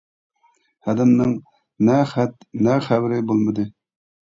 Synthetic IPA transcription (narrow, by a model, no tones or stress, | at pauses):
hæd̪ɪmnɪŋ | nɛχæt̪næχæbɾɪbolˠməd̪ɨ